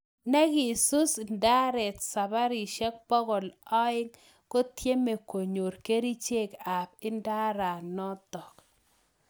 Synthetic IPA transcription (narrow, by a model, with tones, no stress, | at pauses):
nɛ˦kɪ˨su˦snda˦ɾɛ˨t̪sa˨ba˦ɾi˨ʃɛ˦k̚pɔ˦ɣɔ˨lɔ˦ɪ˦ŋ | ko˦tje˦me˨ko˨ɲo˨ɾke˦ɾi˦t͡ʃe˦ka˨p̚ɪ˦nda˦ɾa˨nɔ˦t̪ɔ˨k